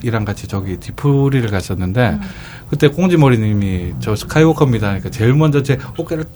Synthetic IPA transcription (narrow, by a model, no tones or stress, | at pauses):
iɾaŋɡat͡ɕʰit͡ɕʌɡitipʰuɾiɾɯɭkas͈ʌnːɯnde̞ | kɯt͈e̞k͈oŋd͡ʑimʌɾiɲimit͡ɕʌsʰɯ̥kʰaiwokʰʌmɲidaɲik͈at͡ɕe̞ɭmʌnd͡ʑʌt͡ɕeok͈eɾɯɭ